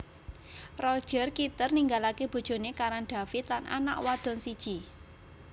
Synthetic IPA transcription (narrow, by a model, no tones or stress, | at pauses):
rɔd̥ʒ̥ə̤rkit̪ərniŋɡalakeb̥o̤d̥ʒ̥o̤nekaɾanɖ̪̥a̤fɪt̪lanʔa̰na̰ʔwad̪̥ɔ̤nsid̥ʒ̥i